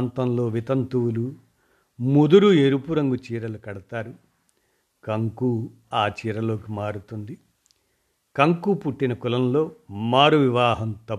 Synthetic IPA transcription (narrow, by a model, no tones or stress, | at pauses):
nt̪ɐmlo̞ːʋit̪ɐnt̪uwulu | mud̪uɾueɾupuɾɐŋɡut͡ʃiːɾɐlukɐɽɐt̪aːɾu | kɐŋkuː | aːt͡ʃiːɾɐlo̞ːkimaːɾut̪und̪i | kɐŋkuːpuʈːinɐkulɐmlo̞ːmaːɾuʋiʋaːɦɐmt̪ɐ